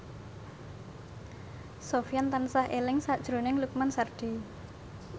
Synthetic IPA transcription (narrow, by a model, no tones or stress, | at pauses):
sofijant̪ansahʔelɪŋsad̥ʒ̥ɾo̤nɪŋluk̚mansard̪̥i